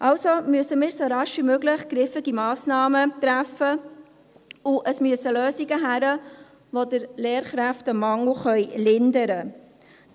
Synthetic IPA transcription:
ʔɑlsomyəsəmɪːɾsoɾɑʃʋimøɡlɪχɡ̥ɾɪfɪɡimɑːsnɑːmət̪ɾæfːə | ʊʔəsmyəsəløːsiɡəɦæɾə | ʋodəɾleːɾχɾæftəmɑŋl̩χœʏlɪndəɾə

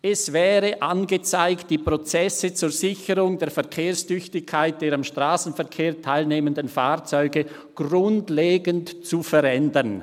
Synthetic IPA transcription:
ɛsv̥ɛːɾəʔanɡət͡saɪkt̚d̥iːpʁot͡sɛsət͡suːɐzɪçəʁʊŋdeːɐfɛɐkʰeːɾstʏçtɪçkʰːaɪt̚d̥eːɾamʃtʁaːsn̩fɛɐkʰeːɐtʰaɪlneːməndənfaːʁt͡sɔʏɡə | ɡ̥ʁʊntleːɡəntt͡sufɛɾɛndən

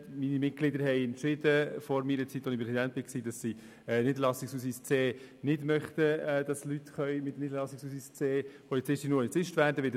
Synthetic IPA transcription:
minimɪt̚ɡ̥lɪdəɾɦɛɪɛntt͡ʃɪdəfɔɾmiːɾət͡sit̪ːonipɾɛsidænt̪̚b̥ɪksiːdɑsːi | ɛnɪdəɾlɑsɪksus̬ist͡seː | nɪdmœχt̪əːd̥ɑslytχœʏmɪtnidəɾlɑsɪksusist͡seːpʰɔlit͡sɪʃtinuːɪt͡sɪʃtʋæːɾdəʋɪdə

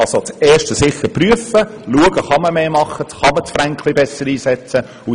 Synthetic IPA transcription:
ɑsot͡sɛːʃtəsɪχəɾpryəfəluəɡ̥əχɑməmeːmɑχːətχɑmət͡sfɾæŋkʰlibɛsəɾiːsɛt͡sə | ʊ

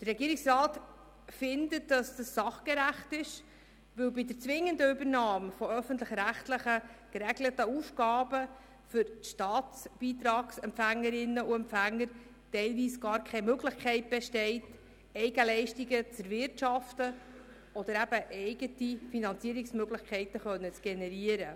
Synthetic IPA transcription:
d̥ərːɛɡiːəɾɪksrɑːt | fɪndət̚d̥ɑsd̥ɑssɑχɡ̥əɾæχtɪʃ | ʋɵwbɪdəɾt͡sʋɪŋːəndəʏbəɾnɑːmfɔœfən̩tləχɾæχtləχəɡ̥əɾɛɡlətəuːfɡ̥ɑːbə | fʏɾʃtɑːtt͡sb̥iːt̪ɾɑːɡsɛmpfæŋːəɾɪnːəuɛmpfæŋːəɾ | tɛɪlʋiːsɡ̥ɑːɾkʰɛmøɡlɪχkʰɛɪt̚b̥ɛʃtɛɪt | ɛɪɡəlɛɪʃtiɡət͡sɛɾvɪɾtʃɑftə | ɔd̪əɾæb̥əʔɛɪɡətifinɑnt͡siəɾɪksmøɡlɪχkʰχɛɪtəχœnːət͡sɡ̥ɛnɛɾiəɾə

